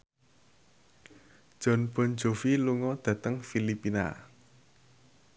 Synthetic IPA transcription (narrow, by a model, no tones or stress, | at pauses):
ʒ̥ɔ̤nb̥ɔ̤n̥d͡ʒofiluŋɔd̪̥ä̤t̪əŋfilipina̰